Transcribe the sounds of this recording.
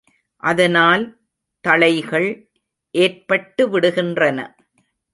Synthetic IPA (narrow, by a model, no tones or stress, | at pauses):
ʔɐðɐnaːl | t̪ɐɭɐɪɣɐɭ | ʔeːrpɐʈːɯʋɪɽɯɣɪndrɐnɐ̰